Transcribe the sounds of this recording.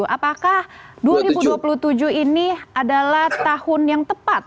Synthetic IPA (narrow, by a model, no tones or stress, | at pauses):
ʔapakahduaɾibuduapulut̪ud͡ʒuhiniadalaht̪ahʊnjaŋt̪əpat̪̚